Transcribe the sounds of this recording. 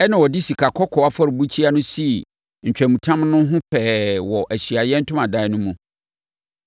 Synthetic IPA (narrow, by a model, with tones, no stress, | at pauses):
ɛ˦nã˨wɔ˨di˦si˨kʰa˨kʰɔ˦kʰɔ˨a˦fɔ˦ɾbu˦t͡ɕʰi˦a˦nʊ̃˦si˦˨ | ɲ̩˨t͡ɕᶣæ̃˨mũ˨tʰã˦mnʊ̃˦ɦʊ̃˦pʰɛː˨wɔ˨ʔæ˨ɕi˨a˨jɛ˦n̩˦tʰʊ̃˦mã˨da˦ɛ˦nʊ̃˦mũ˨